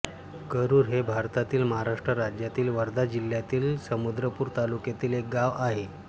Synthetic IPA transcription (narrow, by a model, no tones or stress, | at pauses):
kəɾuːɾɦebʱaɾt̪at̪iːlməɦaɾaʂʈɾəɾad͡ʑjat̪iːlʋəɾd̪ʱad͡ʑil̤jat̪iːlsəmud̪ɾəpuːɾt̪alukjat̪iːlek̚ɡaʋaɦe